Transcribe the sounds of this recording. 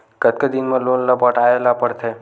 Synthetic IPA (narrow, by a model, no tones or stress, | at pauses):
kət̪̚ked̪inmeloːnləbəʈaelapəɽt̪ʰe